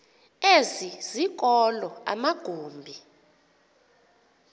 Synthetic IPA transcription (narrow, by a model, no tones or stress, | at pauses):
ezizik̬ʼɔlɔa̰maɡ̥ʱuːmbʱi